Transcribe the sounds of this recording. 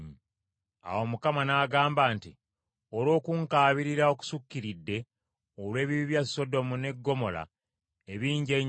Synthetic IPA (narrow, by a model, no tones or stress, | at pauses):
a̰wo̞mukamanaːɡaːmbaːnti | olo̞ːkuŋkaːβiɾiɾao̞ku̥sukːiɾidːe̞ | olwe̞ːβiβiβjasːo̞do̞mune̞ɡːo̞mo̞la̰ | e̞βiːɲɟe̞ɲ